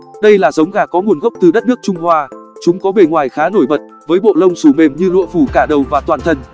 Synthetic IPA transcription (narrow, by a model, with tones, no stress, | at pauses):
ɗə˧jlaː˨˩zə˨˦wŋ͡mɣaː˨˩kɔ˨˦ŋu˨˩ənɣə˦˥k͡p̚t̪ɨ˨˩ɗə˦˥t̚nɨ˦˥ək̚t͡ɕʊ˧ŋ͡mhwaː˧t͡ɕʊ˨˦ŋ͡mkɔ˨˦ɓe˨˩ŋwaː˨˩jxaː˨˦no˧˩jɓə˨˩t̚ | vəː˨˦jɓo̰˧˨lə˧wŋ͡msu˧˩me˨˩mɲɨ˧lṵ˧˨əfu˧˩kaː˧˩ɗə˨˩wvaː˨˩t̪waː˨˩nt̪ʰə˧n